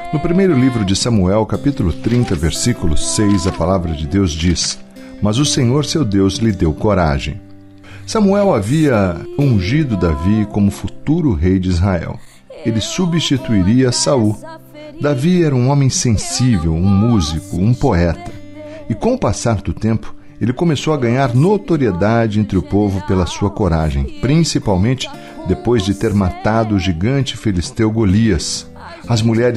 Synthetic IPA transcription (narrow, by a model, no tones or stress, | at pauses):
nʊpɾimejɾʊlivɾʊd͡ʒɪsɐ̃muɛwkapit̪ʊlʊt̪ɾĩnt̪ɐveɾsikulʊ̰sejzɐpalavɾɐd͡ʒɪd̪ewzd͡ʒis | mɐzʊsẽɲoɾsewd̪ewzlɪd̪ewkoɾa̰ʒḛ̃j̃ | sɐ̃muɛwaviɐũʒid̪ʊd̪avikõmʊfut̪uɾʊɦejd͡ʒɪizɦaɛ̰w | elɪsubist͡ʃit̪uiɾiɐsau | d̪aviɛɾɐũõmẽj̃sẽsivewũmuzikʊũpoɛt̪ɐ̥ | ɪkõw̃ʊpasaɾd̪ʊt̪ẽmpʊ̥ | elɪkomesowɐɡɐ̃ɲaɾnot̪oɾied̪ad͡ʒɪẽnt̪ɾɪʊpovʊpelɐsuɐkoɾaʒẽj̃pɾĩsipawmẽnt͡ʃɪ̥ | d̪epojzd͡ʒɪt̪eɾmat̪ad̪ʊʊʒiɡɐ̃nt͡ʃɪfilist̪ewɡoliɐs | ɐzmuʎɛɾ